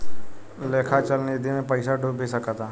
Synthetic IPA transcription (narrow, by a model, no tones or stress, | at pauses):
leːkʰat͡ʃəlned̪ʱimẽpəɪsaɖubʱesəkat̪aː